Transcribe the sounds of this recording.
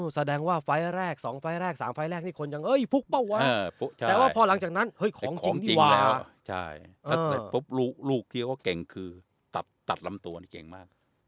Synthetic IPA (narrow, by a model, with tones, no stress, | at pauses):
sa˧dɛː˧ŋwaː˥˩fa˧jɾɛː˥˩k̚sɔː˩˦ŋfa˧jɾɛː˥˩k̚saː˩˦mfa˧jɾɛː˥˩k̚niː˥˩kʰo˧nja˧ŋhɤ˦˥˩jfu˦˥k̚pa˥˩waː˧˥˧u˦˥t͡ɕʰa˥ɛː˨˩waː˥˩pʰɔː˧la˨˩˦ŋt͡ɕaː˨˩k̚na˦˥nhɤ˦˥˩jkʰɔː˩˦ŋʰt͡ɕi˧˩˧ŋniːi˧˩waː˧lɛː˧˦˥wt͡ɕʰa̰˥˩jʔəaː˥˧a˨˩pʰo˦˥p̚luː˥˩k̚luː˥˩k̚t̪ʰi˥˧˩kɔː˥˩ke˨˩ŋkʰɯː˧ | t̪a˨˩t̪̚ːa˨˩t̪̚la˧mt̪u˧ɐni˥˩kḛ˨˩ŋmaː˥˩k̚